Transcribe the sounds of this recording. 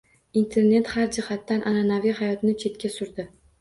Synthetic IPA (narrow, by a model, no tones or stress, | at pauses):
int̪ʰe̞ɾne̞t̪haɾd͡ʒɪhat̪ːanʔananavijhajɒt̪nɪt͡ʃʰe̞t̪̚kʲasʊɾd̪ɪ